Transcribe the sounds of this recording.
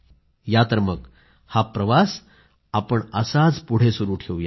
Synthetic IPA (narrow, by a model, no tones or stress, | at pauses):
jat̪əɾmək | hapɾəʋas | apəɳəsad͡zpuɽ̤esuɾuːʈʰeʋuja